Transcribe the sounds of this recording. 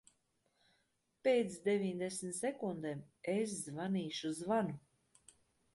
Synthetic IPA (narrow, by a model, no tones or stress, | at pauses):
peːt̪sd̪evʲiɲʲd̪esmʲt̪sɛkund̪em | es̬zvaniːʃuzvanu